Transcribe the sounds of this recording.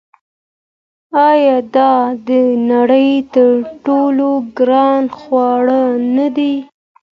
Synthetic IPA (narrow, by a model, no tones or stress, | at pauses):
ɑjɑd̪ɑd̪ənaɽəjt̪əɾʈoloɡɾɑnxwɑɽənad̪i